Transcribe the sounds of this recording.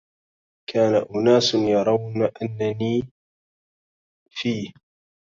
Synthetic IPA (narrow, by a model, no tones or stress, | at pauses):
kʰaːnaʔʊnaːsnjɑɾˤɑwnaʔanːaniː | fiːh